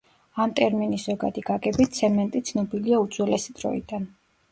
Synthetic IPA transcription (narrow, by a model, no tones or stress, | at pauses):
amt̪ʼɛɾminiszɔɡa̰d̪iɡaɡɛbit̪sʰɛmɛnt̪ʼit̪sʰnɔbiliaud̪zʼwɛlɛsid̪ɾɔ̰ḭd̪an